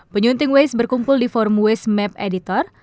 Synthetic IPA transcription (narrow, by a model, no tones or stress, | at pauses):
pəɲunt̪ɪŋwesbərkumpʊldifɔrmuwɛsmɛp̚edit̪ɔr